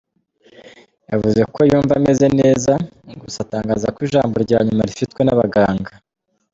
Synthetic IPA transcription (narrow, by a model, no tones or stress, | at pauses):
javuze̞ko̞juːɱvame̞ze̞ne̞ːzaŋɡusataːŋɡaːzakwiːʒaːmboɾɟaːɲumaɾifitwe̞naβaɡaːŋɡa